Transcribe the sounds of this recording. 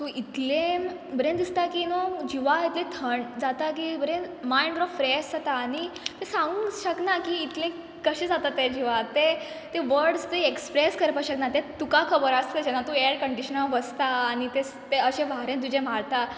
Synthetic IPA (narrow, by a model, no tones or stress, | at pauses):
t̪oit̪lẽ | bəɾẽnd̪ist̪akinod͡ʑiʋait̪lẽt̪ʰəɳd͡zat̪ak̬ibəɾẽnmaiɳɖɾɔʋfɾesd͡zat̪aːñit̪esãŋɡɡɕəknakiːt̪lẽ | kəɕẽd͡zat̪at̪ːed͡ʑiʋat̪e | t̪eʋəɾɖst̪eekspɾeskəɾpaɕəknat̪ẽt̪ukakʰəbəɾast̪ed͡ʑɛnːat̪ũeɾkəɳɖiɕənaʋəst̪aːñit̪ẽ | t̪eəɕẽʋaɾẽnt̪̬ud͡ʑẽm̤aɾt̪a